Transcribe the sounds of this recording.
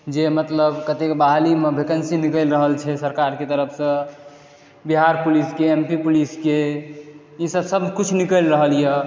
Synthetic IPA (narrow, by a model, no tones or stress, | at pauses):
d͡ʒemət̪ləbkət̪ekbaɦlimebʱekənsinikəlɾəɦəlt͡ʃʰɛsəɾkaɾket̪əɾəpʰsə̃ | biɦaɾpuliskeempipuliske | isəbsəbʱkut͡ʃʰnikəlɾəɦəljɛ